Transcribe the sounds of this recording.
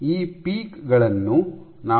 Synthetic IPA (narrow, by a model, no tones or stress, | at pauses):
iːpiːkɡɐɭɐnːu | naː